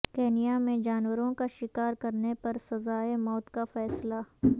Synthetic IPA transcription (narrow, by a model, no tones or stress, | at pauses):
keːnijamẽd͡ʒaːnwəɾõkaʃɪkaːɾkɐɾnepɐɾsɐzaːemɔːt̪kafɛːsla